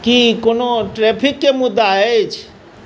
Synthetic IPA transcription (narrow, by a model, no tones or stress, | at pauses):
kikonoʈɾɛːpʰikːemʊd̪ːaet͡ʃʰ